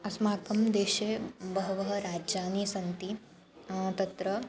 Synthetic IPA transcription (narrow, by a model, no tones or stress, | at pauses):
ɐsmaːkɐmd̪eːʃeːbɐɦɐʋɐɦɐ̆ɾaːd͡ʒaːniːsɐnt̪i | t̪ɐt̪ɾɐ